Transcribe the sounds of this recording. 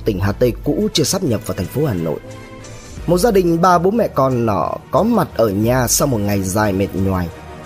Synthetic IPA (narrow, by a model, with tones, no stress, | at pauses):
t̪ï˧˩ŋ̟ɦaː˧˩t̪ə˧jkṵ˧˥t͡ɕɨ˧əsaː˦˥p̚ɲə˨˩p̚vaː˨˩t̪ʰɛ˨˩ŋ̟fo˨˦haː˨˩no̰˧˨j | mo˨˩t̚zaː˧ɗï˨˩ŋ̟ɓaː˧ɓo˨˦nmɛ̰˧˨kɔ˧nːɔ̰˧˩kɔ˨˦ma˨˩t̚ʔəː˧˩ɲaː˧˩sa˧wmo˨˩t̚ŋa˨˩jzaː˨˩jme˨˩t̚ɲwaː˨˩j